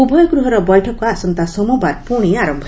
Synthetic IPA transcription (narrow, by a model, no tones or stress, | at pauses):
ubʱɔjɔɡɾuɦɔɾɔbɔjʈʰɔkɔasɔnt̪asɔmɔbaɾpɔɽ̃iaɾɔmbʱ